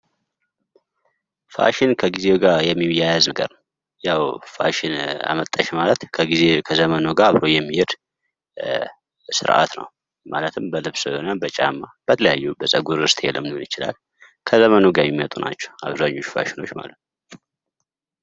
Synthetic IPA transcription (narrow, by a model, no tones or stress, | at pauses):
fa̰ʃɪnkʰəɡizewɡajɛmːiwjajaznəɡə̰ɾn | jawfa̰ʃɪna̰mət̪ʼːəʃmalət̪kʰəɡizekʰəzəmənoɡaaβɾo̞jɛmːihɪd̪ | sɨ̰ɾʔa̰t̪nə̰w | malət̪ʰɨmbəlɨβsohonəbət͡ʃʼamːab̥ət̪ʰələjajːubəsʼəɡuɾɨst̪ʰʼjɛlːəmnonjɪt͡ʃɪla̰l | kʰəzəmənoɡamimːət̪ʼuna̰t͡ʃːɛwaβzaɲːo̞t͡ʃːfa̰ʃɪno̞t͡ʃːma̰lət̪n